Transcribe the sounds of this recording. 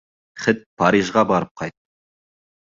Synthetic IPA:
χɪt̪̚pʰɑɾiʒʁɑbɑɾəp̚qʰɑjt̪̚ːə

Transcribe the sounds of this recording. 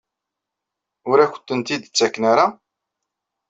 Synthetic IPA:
ʊɾæçə̥t̪ːənt̪id̪ət͡sːækːnaɾa

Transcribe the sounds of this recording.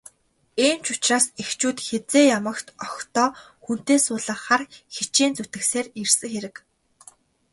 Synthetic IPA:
emt͡ɕʊt͡ɕraːsext͡ɕuːt̪xet͡seːjamə̆kt̪ɔxt̪ɔː | xun̥t̪eːsʊːɮə̆χχarxit͡ɕiːnt͡sut̪ɘ̆kseːrirsɘ̆ŋxeɾɘ̆k

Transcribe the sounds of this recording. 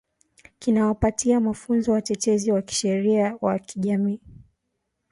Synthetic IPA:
kinawapatiamafunzɔwatɛtɛziwaki̥ʃɛɾiawa̰kiʄamiː

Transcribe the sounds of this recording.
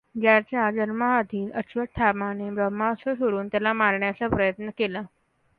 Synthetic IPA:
d͡ʑjat͡ɕjad͡ʑənməɦad̪ʱiːnət͡ɕʋəʈ̪ʰamanebɾəmasəsoɽuːnt̪jalamaɾɳjat͡sapɾəjət̪nəkela

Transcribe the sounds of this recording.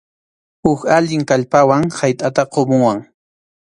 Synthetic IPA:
hʊkaʎɪŋkaʎpawaŋhajt̪ʼat̪aqomʊwaŋ

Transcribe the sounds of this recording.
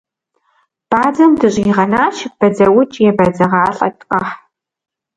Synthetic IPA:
b̥aːd͡zɐmdɨɕʼiʁɐnaːʃɪb̥ɐd͡zɐwʊt͡ʃʼjɛbɐd͡zɐʁɑːɬʼɐ̰tʼqʼɐħ

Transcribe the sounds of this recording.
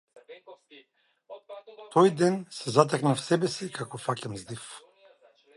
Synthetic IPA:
t̪ʰɔjd̪ɛnsɛzat̪̬ɛknafsɛbɛsikakɔfacʲɛmzd̪if

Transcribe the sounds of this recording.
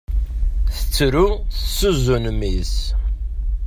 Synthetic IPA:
θət͡sːɾuθəsːuzunmis

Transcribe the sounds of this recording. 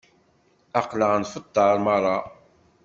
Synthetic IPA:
ɑqləʁənfət̪ˤːɑɾˤmɑrˤːɑ

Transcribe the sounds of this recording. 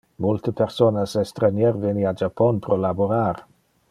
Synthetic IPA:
mʊlˠtʰipʰɛrsɔnasɛstrənjɛrvɪniad͡ʒapʰɔnpʰrɔlabɔɾar

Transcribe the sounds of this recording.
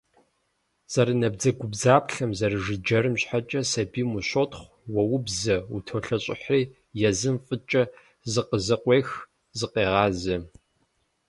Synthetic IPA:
z̥ɐɾɨnɐb̚d͡zɐɡʷʊbzaːpʰɬɐmzɐrɨʒɨd͡ʒɐɾɨmɕħat͡ʃʼɐsɐbiːmuɕotχʷ | wɐwʊbzɐutʰoɬɐɕʼɪ̰ħriː | jɛzɨmfʼɨt͡ʃʼɐ | zɨqəzɐqʷʼeːx | zɨqeːʁɑːzɐ

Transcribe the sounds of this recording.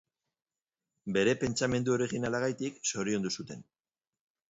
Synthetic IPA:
be̞ɾe̞pe̞nt͡ʃame̞nd̪uo̞ɾiɣinalaɣajt̪ikso̞ɾio̞nd̪usut̪e̞n

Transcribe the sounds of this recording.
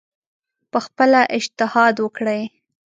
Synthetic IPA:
pəxpəlaʔɪd͡ʒt̪ɪhɑd̪wəkɽəj

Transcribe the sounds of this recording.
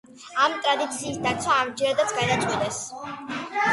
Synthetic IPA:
amt̪ʼɾad̪it̪sʰiːsd̪at̪sʰwaːmd͡ʒɛɾad̪at̪sɡad̪at͡ʃʼwɛlɛs

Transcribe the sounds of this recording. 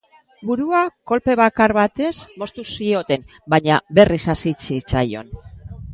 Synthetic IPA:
buɾuako̞lpe̞β̞akaɾβat̪e̞zmo̞st̪usio̞t̪e̞nbaɲabe̞risasit͡sit͡sajo̞̰n

